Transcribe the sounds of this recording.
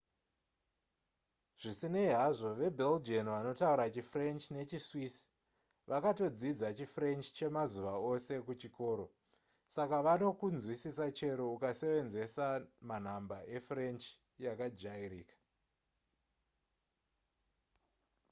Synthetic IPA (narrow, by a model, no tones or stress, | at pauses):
ʐ̥isineiɦaʐo̞ʋe̞bʱeld͡ʒenʋano̞tauɾat͡ʃifre̞nt͡ʃne̞t͡ʃiswis | ʋʔakato̞d͡zid͡zat͡ʃifre̞nt͡ʃt͡ʃe̞mazuʋao̞se̞kut͡ʃiko̞ːɾo̞ | sakaʋano̞kund͡zwisisat͡ʃe̞ɾoukase̞ʋe̞nze̞saman̤ambaʔe̞fre̞nt͡ʃ | jakad͡ʒairiːkḁ